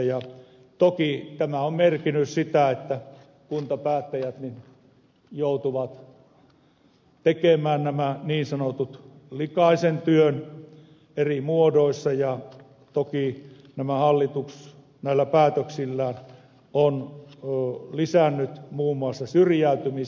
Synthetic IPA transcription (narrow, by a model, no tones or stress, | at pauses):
jɑ | t̪okit̪æmæommerkinyssit̪æet̪ːæ | kunt̪ɑpæːt̪ːæjæt̪nin | jout̪uʋɑt̪ | t̪ekemæːnnæmæniːnsɑnot̪ut̪likɑisent̪yøn | erimuodoisːɑjɑ | t̪oki | næmæhɑlːit̪uks | næilːæpæːt̪øksilːæːn | onː | lisænːyt̪muːmːuɑsːɑsyrjæˑyt̪ymi